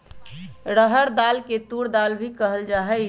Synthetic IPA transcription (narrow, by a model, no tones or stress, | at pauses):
ɾəɦəɾd̪aːlket̪uɽd̪albʱikəɦəld͡ʒaːɦɛ